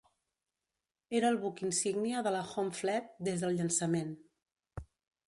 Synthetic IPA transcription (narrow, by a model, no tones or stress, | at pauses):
eɾəːlˠβukinsiɡniəðələxomflɛt̪̚d̪ezðəlˠʎənsəmen